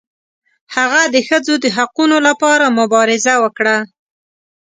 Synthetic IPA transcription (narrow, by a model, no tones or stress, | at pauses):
haɣad̪əxəd͡zod̪əɦaqunolapɑɾamʊbɑɾɪzawəkɽa